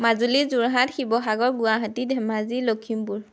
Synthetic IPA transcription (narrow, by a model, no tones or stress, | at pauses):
mazulizuɹɦatxibɔxaɡɔɹɡuaɦatidʱɛmazilokʰimbuɹ